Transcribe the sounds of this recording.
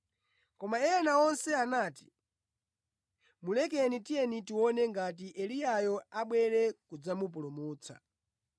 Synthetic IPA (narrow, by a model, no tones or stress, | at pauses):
kɔmaɛanaɔnsɛanaːti̥ | mulɛk̬ɛnitijɛnitiwɔnɛŋɡat̬iʔɛlijajɔaɓwɛɾɛkud͡zamup̬ulumuːt͡sʰa̰